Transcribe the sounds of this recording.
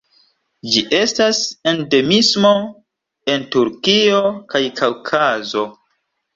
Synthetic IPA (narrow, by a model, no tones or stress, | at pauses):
d͡ʒiʔe̞stase̞nde̞mismo̞ | e̞ntuɾkio̞kajkʰawkʰazo̞